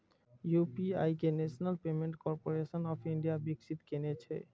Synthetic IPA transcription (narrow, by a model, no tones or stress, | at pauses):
jupiajkeneʃonalpemeɳʈkɔɾpoɾeʃonɔpiɳɖiabikʃʰit̪kenet͡ɕʰḛ